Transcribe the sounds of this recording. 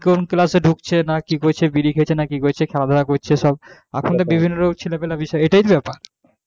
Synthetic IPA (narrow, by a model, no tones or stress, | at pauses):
konklaseɖʱukt͡ɕʰenakikoɾet͡ɕʰebiɾikʰet͡ɕʰenakikoɾet͡ɕʰekʰɛlad̪ʱɔɾakoɾt͡ɕʰeʃɔb̚ | a̰kʰont̪ebibʱinːoɾoɡt͡ɕʰilepelabiʃɔeeʈajt̪bɛpaɾ